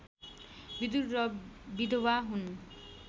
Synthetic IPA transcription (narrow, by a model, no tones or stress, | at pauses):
bid̪uɾːɔbid̪ʱowaɦun